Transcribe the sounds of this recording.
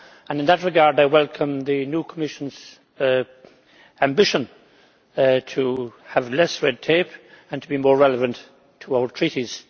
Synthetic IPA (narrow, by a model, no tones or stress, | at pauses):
ə̃nɨ̃nðət̚ɹɨɡɑɹdaɪwɛlˠkʰə̃mðɨnjukʰəmɪʃə̃n̩z̥ | æ̃mbɪʃə̃n | tʰəəvlɛsɹɛd̚tʰeɪpə̃ntʰəbimɔːɹɹɛləvə̃ntʰ | əaəltʰɹ̥iɾiz̥